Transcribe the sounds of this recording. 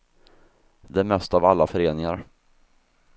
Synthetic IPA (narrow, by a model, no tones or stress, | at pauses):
d̪ɛæmɛst̪avalːafœɾeːnɪŋaɾ